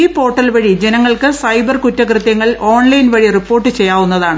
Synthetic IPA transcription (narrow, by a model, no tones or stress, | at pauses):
iːpo̞ːʈːɐlʋɐɻid͡ʑenɐŋːɐɭkɨsɐjbɐrkutːɐkrɨt̪jɐŋːɐɭo̞ːɳlɐjnʋɐɻiripːo̞ːrʈːɨt͡ɕejːaːʋunːɐðaːɳɨ